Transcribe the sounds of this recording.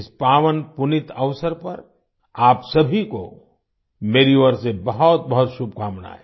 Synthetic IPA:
ɪspaːʋənpʊnɪt̪əʋsəɾpɐɾ | aːpsɐbʱiko̰ | meːɾioɾsebɐɦɔt̪̚bɐɦʊt̪ʃub̚ʱkʰaːmna̰ɦɛː

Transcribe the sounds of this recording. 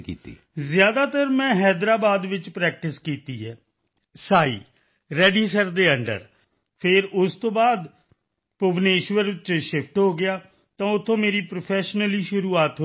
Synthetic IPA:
kḭːt̪ḭː | zɪjaːd̪aːt̪əɾmɛ̃ːɦɛːd̪ɾaːbaːd̪ʋɪt͡ʃpɾɛːk̚ʈɪskiːt̪iːɦɛː | saːḭː | ɾɛːɖiːsəɾd̪eːəɳɖə̰ɾ | pʰɪɾʊst̪õːbaːd̪ | poʋneːʃʋəɾt͡ʃʃɪpʰʈɦoːɡɪjaː | t̪ãːʊt̪ʰːõːmeːɾiːpɾoːpʰɛːʃnəliːʃʊɾuːaːt̪ɦ

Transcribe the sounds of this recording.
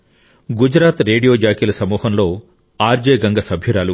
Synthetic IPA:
ɡud͡ʒɾaːt̪ɾe̞ːɖijo̞ːd͡ʒaːkilɐsɐmuːhɐmlo̞ː | aːɾd͡ʒeːɡɐŋɡɐsɐbʱjuɾaːlu

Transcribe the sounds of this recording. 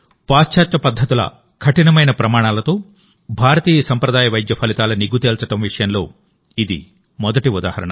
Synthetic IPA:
paːt͡ʃaːt̪ːɐpɐd̪ʱːɐt̪ulɐ̰ | kʰɐʈinɐmɐjnɐpɾɐmaːɳaːlɐt̪o̞ː | bʱaːɾɐt̪iːjɐsɐmpɾɐd̪aːjɐʋɐjd̪jɐpʰɐlit̪aːlɐniɡut̪eːlt͡ʃɐʈɐmʋiʂɐjɐnlo̞ː | id̪ḭ | mɔd̪ɐʈiud̪a̰ːhɐɾɐ̰ɳɐ̰

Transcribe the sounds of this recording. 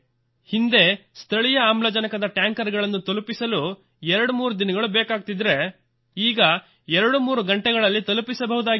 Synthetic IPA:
hind̪e̞st̪ʰɐɭijɐaːmlɐd͡ʒɐnɐkɐd̪ɐʈjaːŋkɐɾɡɐɭɐnːut̪olupisɐlu | ɛɾɐɽumuːɾud̪inɐɡɐɭubɛːkaːɡ̚t̪id̪ɾe̞ | iːɡɐ | ɛɾɐɽumuːɾuɡɐɳʈɛɡɐɭɐlːit̪ɐlupisɐbɐɦud̪aːɡ

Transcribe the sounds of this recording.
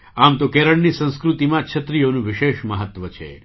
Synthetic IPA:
amt̪okeɾəɳnisə̃w̃skɾut̪imãt͡ʃʰət̪ɾijonũʋɪʃeʃməɦət̪ʋət͡ʃʰḛ

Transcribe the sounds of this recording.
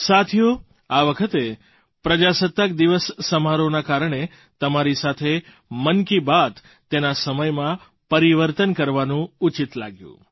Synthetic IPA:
sat̪ʰijo | aʋəkʰət̪e | pɾəd͡ʒasət̪ːək̚d̪iʋəsːəmaɾonakaɾɳ̃e | t̪əmaɾisat̪ʰe | mənkibat̪ | t̪ːenasəməjmã | pəɾiʋəɾt̪ənkəɾʋanũut͡ʃit̪la̰ɡjṵ̃

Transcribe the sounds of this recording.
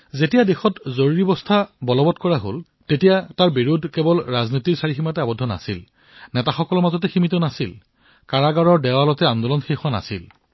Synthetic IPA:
zetijadexɔtzoɹuɹibɔstʰabɔlɔbɔtkɔɹaɦo̰l | tetijataɹbiɹudʱkebɔlɹaznitiɹsaɹiximatɛabɔdʱːɔna̰sil | nɛtaxɔkɔlɔɹmazɔt̬ɛximitɔnasil | kaɹaɡaɹɔɹdɛwalɔtɛandɔlɔnxixwana̰sḭl

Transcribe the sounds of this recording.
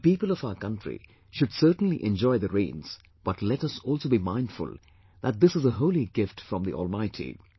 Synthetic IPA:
piːpəlɔfaʊəkʌ̃ntɹḭ | ʃʊdsəːʈn̩lḭʔɛ̃nd͡ʒɔɪðəɾẽɪ̃nz̥ | b̥ʌʈʰlɛɾʌsɔːlˠsoʊbimãɪ̃nd̥fʊ̰lˠ | ðæt̚d̪ɪsɨzəɦoʊliɡɪfʈfɹʌ̃mðiʔɔ̰ːlˠmaɪtʰḭ

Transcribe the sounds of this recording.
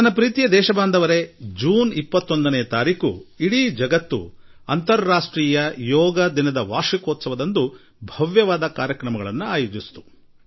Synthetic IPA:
t̪ɐnːɐpɾiːt̪ijɐd̪ɛːʃɐbaːnd̪ʱɐʋɐɾe̞d͡ʒuːnipːɐt̪ːo̞nd̪ɐneːɐt̪aːɾiːkṵiɽid͡ʒɐɡɐt̪ːṵɐ̰nt̪ɐɾːaːʂʈɾiːjɐjɔːɡɐd̪inɐd̪ɐʋaːʃikɔːt̪sɐʋɐd̪ɐnd̪u | bʱɐʋjɐʋaːd̪ɐkaːɾjɐkɾɐmɐɡɐɭɐnːuaːjud͡ʒist̪u̥

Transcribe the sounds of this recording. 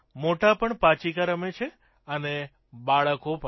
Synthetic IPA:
moʈapəɳpãt͡ʃikaɾəmet͡ʃʰe | əne | baɭəkopə

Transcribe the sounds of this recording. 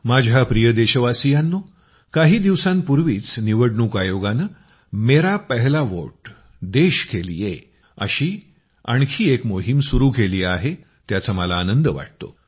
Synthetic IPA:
mad͡ʑʱapɾijəd̪eɕəʋasijanːo | kaɦiːd̪iʋsãnpuɾʋiːt͡sniʋəɽɳuːkajoɡanə | meɾapəɦlaʋo̰ʈ̚ | d̪eɕkʰelḭːje | ə̰ɕiː | a̰ɳkʰiːekmoɦimsuɾuːkʰeliːaɦe | t̪jat͡səməlaːnənd̪əʋa̰ʈ̚t̪o̰

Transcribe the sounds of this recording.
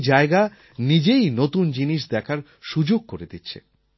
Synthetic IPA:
d͡ʑaeɡa | nid͡ʑejnot̪und͡ʑiniʃd̪ɛkʰaɾ | ʃud͡ʑoɡ̚koɾed̪itːɕʰḛ

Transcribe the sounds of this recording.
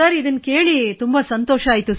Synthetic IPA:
ɐɾiːd̪ɐnːkeːɭit̪umbɐsɐnt̪oːʃɐaːjt̪us

